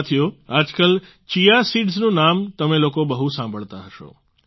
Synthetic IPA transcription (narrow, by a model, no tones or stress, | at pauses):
t̪ʰijoad͡ʒkəl | t͡ʃijasiɖznũnamt̪əmẽlokobəɦusãmbʱəɭt̪aɦəʃo̰